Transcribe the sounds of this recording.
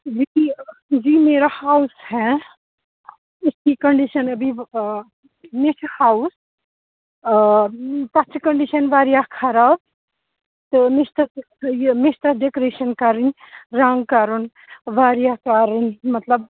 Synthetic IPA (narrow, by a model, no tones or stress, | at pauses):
d͡ʒiid͡ʒiːmeːɾahaːushɛ | ɪskikɐɳɖiʃɐnɐbi | mɪt͡ʃʰhaːus | t̪ɐt͡ʃʰkɐɳɖiʃɐnʋaːɾjakʰaɾaːb | t̪ɨmɪst̪ɐs | mɪʃt̪ɐɖekoɾeːʃɐnkaɾənɾãŋɡkaːɾən | ʋaːɾjakaːɾənmɐt̪ləb